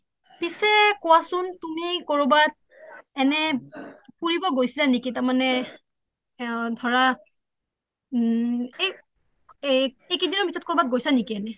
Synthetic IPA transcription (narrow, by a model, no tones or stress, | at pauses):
pisɛkɔwasʊntumikɔɹobat̚ | ɛnɛ | puɹibɔɡojsilanekitamanɛ | dʱɔɹa | e | ekidinɔmitʰɔt̚kɔɹbat̚ɡojsanikiɛnɛ